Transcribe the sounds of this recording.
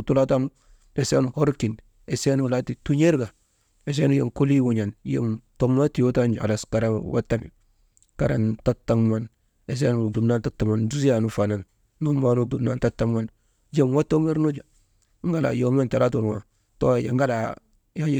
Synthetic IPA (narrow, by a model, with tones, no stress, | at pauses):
tu˦la˦ta˦nu˦ | de˨se˦nu˨ho˦ɾki˨n | e˨se˦nu˨la˦ti˨tu˦ɲe˦ɾɡa˨ | e˨s̬e˦nu˦je˨mko˦li˦wu˨ɲa˨njḛ˦mto˦mːa˦ti˨jo˦ta˦nd͡ʒa̰˨la˨ska˨ɾa˦wʔa̰˦tːa˦nḭ˨ | ka˨ɾa̰˨nta˦tːa˦ŋma˦n | e˨s̬e˦nu˨du˨mna˦nta˦tːa˨ma˨nd͡ʒu˦s̬ja˨nu˦fa˨na˨n | nu˦ma˨nu˨du˨mna˨nta˦tːa˦ŋma˦n | je˦mwa˦to˦me˦ɾno˦d͡ʒa˨ | ŋ˦ɡa˦la̰˨jo˨˦ma˦nta˨la˦tu˨ɾwa̰˨ | to̰˦˨jḛ˨ŋɡa˦la˨ | ja˦